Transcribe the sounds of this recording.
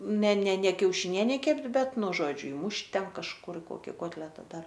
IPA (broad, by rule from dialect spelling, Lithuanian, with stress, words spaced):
nʲɛ nʲɛ nʲɛ kʲɛʊʃʲɪˈnʲiɛnʲɛɪ ˈkʲɛpʲtʲ ˈbʲɛt ˈnʊ ˈʒoːd͡ʒʲʊ ˈɪmʊʃʲtʲ ˈtʲɛn kɐʃˈkʊr ɪ ˈkoːkʲɪ ˈkoːtʲlʲɛtɐ ˈdɐr